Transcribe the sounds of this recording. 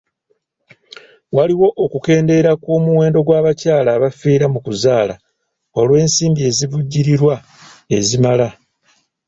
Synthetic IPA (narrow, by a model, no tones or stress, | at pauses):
waliwo̞ʔːkuke̞ːnde̞ɾakwo̞ːmuwe̞ːndo̞ɡwaːβacaːlaːβafiːɾamukuzaːla̰ | o̞lwe̞ːnsiːmbie̞ziβuɟːiɾiɾwa | e̞zimala